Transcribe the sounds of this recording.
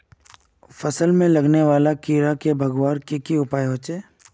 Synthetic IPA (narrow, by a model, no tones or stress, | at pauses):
fɐsəlmẽlɐɡneʋaːlakiːɾakebʱɐɡʋaːɾkekiʊpaːjɦoːt͡ʃeː